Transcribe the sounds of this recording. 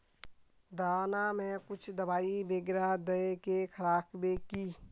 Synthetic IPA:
d̪aːnamẽkʊt͡ʃʰd̪əbaːibeːɡɾad̪əekekʰəɾaːkbekiː

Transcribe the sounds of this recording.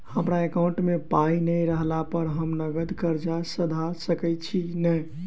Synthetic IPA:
həmɾaekawɳʈmepainəjɾəɦlapəɾɦəmnəɡəd̪kəɾd͡ʒasəd̪ʱasəkɛt͡ʃʰinəj

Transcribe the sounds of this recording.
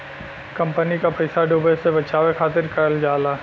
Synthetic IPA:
kɐ̃mpənikapɐɪsaɖuːbesebɐt͡ʃaːʋekʰaːt̪ɪɾkɐɾəld͡ʒaːlaː

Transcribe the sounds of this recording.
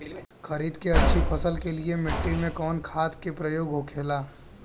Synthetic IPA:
xɐɾiːd̪keɐtːʃʰipʰɐsəlkeliemɪʈːimẽkɔːnkʰaːt̪kepɾɐjoːɡɦokʰeːlaː

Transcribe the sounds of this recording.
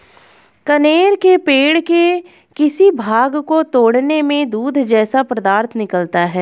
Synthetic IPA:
kɐneːɾkepeːɽke | kɪsibʱaːɡkot̪oːɽnemẽd̪uːd̪ʱd͡ʒɛːsapɾɐd̪aːɾt̪ʰnɪkəlt̪aɦɛː

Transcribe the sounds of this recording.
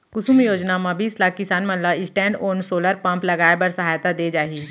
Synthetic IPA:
kʊsumjoːd͡ʒnamãbʱiːslaːkkɪsaːnmɐ̃nlaɪsʈɛ̃ːɳɖoːnsoːləɾpɐ̃mplɐɡaːebɐɾsɐɦaːjt̪ad̪eːd͡ʒaːɦiː

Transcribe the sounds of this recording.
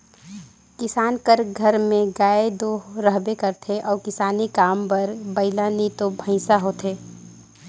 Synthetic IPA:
kɪsaːnkəɾɡʱəɾmẽɡaːed̪oːɾəɦbekəɾt̪ʰeʔɔːɾkɪsaːnikaːmpɐɾbɐɪlanit̪obʱə̃ɪsaɦot̪ʰeː

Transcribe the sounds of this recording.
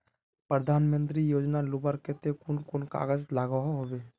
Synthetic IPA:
pɾəd̪ʱaːnmə̃nt̪ɾijoːd͡ʒnalubəɾket̪ekʊnkonka̰ːɡəd͡ʒlaːɡəɦoɦobe

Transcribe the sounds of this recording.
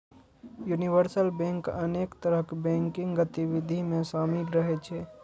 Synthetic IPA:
juniʋəɾsəlbẽŋkəneːkt̪əɾəɦkbɛ̃ŋkɪ̃ŋɡɡət̪iwid̪ʱimẽsaːmikɾəɦet͡ʃʰɛ

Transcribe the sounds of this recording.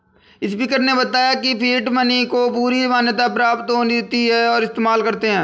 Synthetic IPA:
ɪspiːkəɾnebɐt̪aːjakipʰiːʈmənikopuːɾimaːnjət̪̬apɾaːpt̪ɦoːnt̪iɦɛɔːɾɪst̪eːmaːlkɐɾt̪eɦɛ̃ː

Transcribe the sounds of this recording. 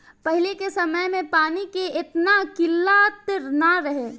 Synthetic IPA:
pɛɦɪlekesɐməjmẽpaːnikeʔɪt̪nakɪlːat̪ɪɾnaɾɐɦeː

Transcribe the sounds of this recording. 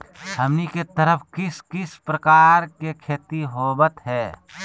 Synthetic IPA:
hɐmniket̪əɾəfʰkɪskɪspɾəkaːɾkekʰeːt̪iɦoːbət̪ɦɛː

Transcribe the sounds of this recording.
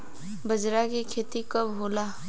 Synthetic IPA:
bəd͡ʒɾakikʰeːt̪ikɐbɦoːlaː

